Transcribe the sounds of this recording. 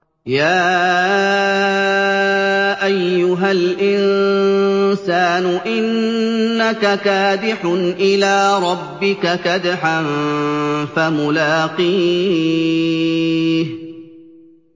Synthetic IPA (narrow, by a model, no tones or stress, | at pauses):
jaː | ʔajːʊɦalʔɪn | saːnʊʔɪnː | akakaːd̪ɪħʊnʔɪlaːɾˤɑbːɪkakad̪ħan | famʊlaːqiː | h